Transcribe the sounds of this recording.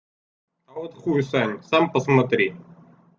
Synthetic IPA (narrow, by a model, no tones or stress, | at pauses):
ɐvot̪χusanʲsampəsmɐt̪ɾʲi